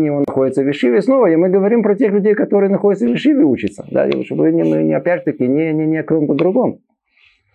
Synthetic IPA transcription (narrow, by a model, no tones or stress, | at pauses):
nʲjɪvonɐxodʲɪt̪səvʲɪʂɨvʲɪsno̞vəɪmɨɡəvɐɾʲimpɾətʲe̞xlʲʉdʲejkɐt̪oɾɨjənɐxo̞dʲɪt̪səvʲɪʂɨvʲɪut͡ɕɪt̪sə̥d̪a̰ʂobɨnʲɪnuinʲɪɐpʲædʲʐɨt̪əkʲɪnʲɪnʲɪnʲɪɐk̪ʲomt̪əd̪ɾʊɡo̞m